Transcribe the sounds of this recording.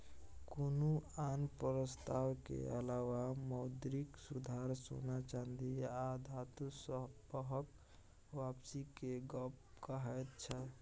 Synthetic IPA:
konuanpɾəst̪awkḛəlawaməd̪ɾiksud̪ʱaɾso̰nat͡ʃand̪iad̪ʱat̪usbəɦək | ʋapsikeɡəp | kəɦɛjt̪t͡ʃʰə

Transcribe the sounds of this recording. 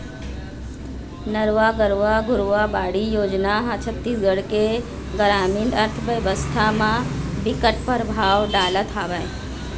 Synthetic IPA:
nəɾʋaɡəɾʋaɡʱʊɾʋabaːɽijoːd͡ʒnaɦãt͡ʃʰəb̚t̪iɡəɽke | ɡəɾaːminɖəɾt̪ʰəʋəʋəst̪ʰamãbɪkəʈ̚pəɾbʱaːʋɖaːlat̪ʰaːʋəj

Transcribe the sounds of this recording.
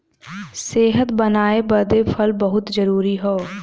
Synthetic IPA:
seːɦət̪bənaːebəɾd̪eːpʰəlbəɦʊt̪d͡ʒəɾuːɾiːɦoː

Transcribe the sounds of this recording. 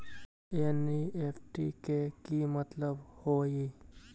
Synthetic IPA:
enieːpʰʈḭkekimət̪ləbhoːi

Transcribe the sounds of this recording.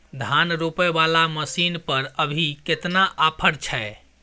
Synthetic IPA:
d̪ʱanɾopɛbalaməsinpəɾəbʱiket̪naʔapʰəɽt͡ʃʰɛe

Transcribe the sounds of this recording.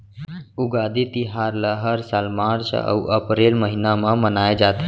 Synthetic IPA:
uɡad̪it̪iɦaɾləɦəɾsalmaɾt͡ʃə̰wʔəpɾelməɦinamãmənajd͡ʒat̪

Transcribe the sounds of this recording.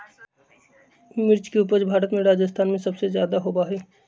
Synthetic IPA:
mɪɾt͡ʃkeupəɾd͡ʒbʱaːɾət̪mẽɾaːd͡ʒəst̪ʰaːnmẽsɐbsezjaːd̪aɦoːbaɦɛː

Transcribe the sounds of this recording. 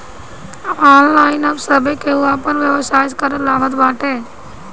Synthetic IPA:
ɔːnlaːɪnɐbsɐbekeɦʊapɐɾʋjəʋsaːɪt̪kəɾəlaːʋət̪baːʈeː

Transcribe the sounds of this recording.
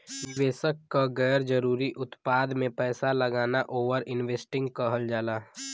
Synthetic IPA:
nɪʋeːsəkːaɡɛːɾd͡ʒəɾuːɾiʔʊt̪paːd̪mẽpɛːsaləɡaːnaʔoːʋəɾɪnʋeːsʈɪ̃ŋɡ̚kəɦəld͡ʒaːlaː

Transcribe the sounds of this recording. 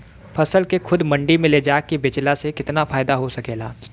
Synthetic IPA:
pʰɐsəlkekʰʊd̪mɐ̃ɳɖimẽled͡ʒaːkːibɪt͡ʃlasekɪt̪nafaːɪd̪aɦosɐkeːlaː

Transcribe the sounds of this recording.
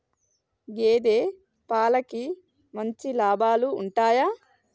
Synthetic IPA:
ɡeːd̪eː | paːlɐki | mɐɲt͡ʃilaːbaːluːɳʈaːjaː

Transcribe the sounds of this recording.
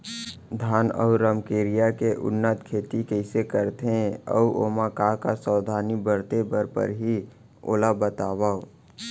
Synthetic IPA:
d̪ʱaːnɔ̰ʊɾəmkeːɾijakeʔʊ̰nːət̪kʰeːt̪ikəɪsekəɾt̪ẽə̰ʔoːmakakasaːd̪ʱaːnibəɾt̪ebəɾpə̰ɾɦi | o̰ːlabət̪aːwaːo

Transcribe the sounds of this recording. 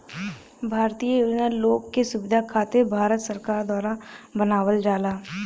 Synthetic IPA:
bʱaːɾt̪ijəjuːd͡ʒnəɾloːɡkːesʊbɪd̪ʱakʰaːt̪ebʱaːɾət̪səɾkaːɾd̪waːɾabənaːʋəld͡ʒaːlaː

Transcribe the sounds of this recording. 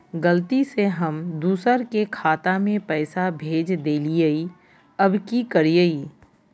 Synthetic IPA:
ɡəlt̪iseɦɐmd̪uːsəɾkekʰaːt̪amẽpɛːsabʱeːd͡ʒd̪eːliəi | ɐbkikəɾiəiː

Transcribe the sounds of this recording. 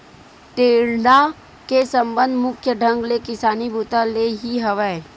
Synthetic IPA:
ʈ̪eːɾna | kesə̃mbə̃nd̪mʊkʰjəɖʱə̃ŋɡlekɪsaːnibʱuːt̪aleɦiɦɐʋəe

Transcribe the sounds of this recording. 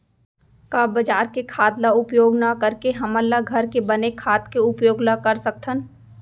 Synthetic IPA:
kaːbəd͡ʒaːɾkekʰaːd̪laʊpjoːɡnakəɾkeɦɐməlːaɡʱɐɾkebɐnekʰaːt̪keʊpjoːɡlakəɾsɐk̚t̪ʰən

